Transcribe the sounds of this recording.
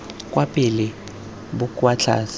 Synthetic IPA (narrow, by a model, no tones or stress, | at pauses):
kʼwapʼɪlɪ | bʊkʼwat͡ɬʰa̰ːs